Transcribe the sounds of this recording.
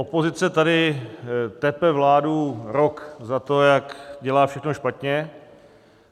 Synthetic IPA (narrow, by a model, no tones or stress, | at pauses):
ʔopo̞zɪt͡sɛt̪adɪ | t̪ɛpɛvlaːduɾo̞kzat̪o̞jakɟɛlaːfʃɛxno̞ʃpat̪ɲɛ